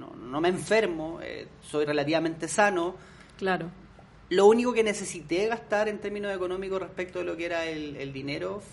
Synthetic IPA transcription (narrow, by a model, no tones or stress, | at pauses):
no̰nomeːɱfeɾmoḛso̞jrelat̪iβame̞nt̪e̞sano | klaɾo | lounikokenese̞sit̪eɣast̪aɾent̪eɾminoseko̞no̞mikorehpek̚t̪oðelokeeɾaelḛld̪ineɾo